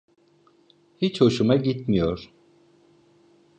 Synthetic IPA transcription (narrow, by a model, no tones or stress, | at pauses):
hit͡ʃhoʃumaɟit̪mijoɾ̥